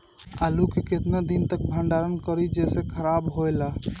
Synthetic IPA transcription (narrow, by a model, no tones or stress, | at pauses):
alukeket̪ned̪int̪ək̚bʱəɳɖaɾənkəɾid͡ʒesekʰəɾabɦojla